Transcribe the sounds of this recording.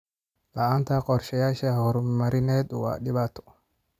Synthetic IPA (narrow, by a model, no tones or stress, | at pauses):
lɐaːnt̪ʰaqɔɾʃɐjaːʃahɔɾmmɐɾɪnɛːd̪ʊwa̰ːɗɪβaːt̪ʰɔ̥